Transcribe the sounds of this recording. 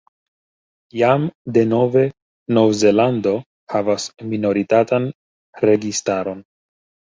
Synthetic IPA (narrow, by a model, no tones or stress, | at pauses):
jamde̞no̞ve̞ | no̞vze̞lando̞ | havasmino̞ɾitatan | ɾe̞ɡistaɾo̞n